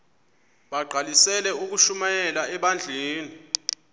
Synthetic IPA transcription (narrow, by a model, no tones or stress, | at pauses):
ɓaɡ͡ǃʱalisɛlɛuk̬uʃumajɛlaɛɓand͡ɮʱeːni